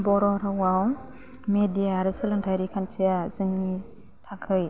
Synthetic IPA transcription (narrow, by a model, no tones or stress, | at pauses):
bɔɾɔɾawaw | medijaɾɯsɯlɯntʰajɾikʰant͡ʃʰijazɯŋːi | tʰakʰɯj